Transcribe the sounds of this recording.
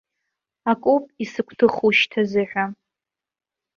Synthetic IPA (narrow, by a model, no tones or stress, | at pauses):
akʷʼupʼisɨkʷʰtʰɨχuʃtʰazɨʕʷᶣa